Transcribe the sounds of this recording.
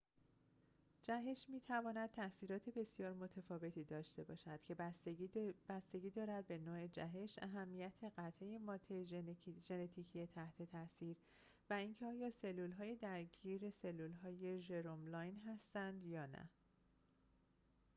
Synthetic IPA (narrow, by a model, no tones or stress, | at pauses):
d͡ʒæɦeʃmiːt̪ʰævɒːnæd̪̥̚t̪ʰæsiːɾɒːt̪ʰe̞be̞sjɒːɾmo̞t̪ʰefɒːve̞t̪ʰiːd̪ɒːʃt̪e̞bɒːʃæd̪̥cʰe̞ | b̥æst̪e̞ɡiːd̪ɒːɾæd̪̚be̞nɒːe̞d͡ʒæɦe̞ʃʔæɦæmːijæt̪ʰe̞ɢæt̪ʰejemɒːt̪ʰeʒe̞net̪ʰiːcʰijet̪ʰæht̪ʰe̞t̪ʰæsiːɾ | væincʰeɒːjɒːse̞lːulɦɒːjed̪æɾɟiːɾe̞se̞lːulɦɒːje̞ʒe̞ɾomlɒːjnɦæst̪ænd̪jɒːnæ̰